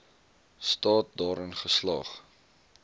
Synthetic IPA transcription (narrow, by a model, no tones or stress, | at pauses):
stɑːt̚dɑːɾənχəslɑːχ